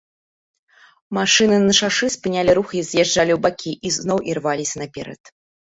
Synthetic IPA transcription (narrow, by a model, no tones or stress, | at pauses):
maʂɨnɨnɐʂaʂɨspɨnʲalʲiɾuxizʲjɛʐd͡ʐalʲiwbakʲiʔiznɔwʔirvalʲisʲɐnɐpʲɛ̰ɾɐ̰t̪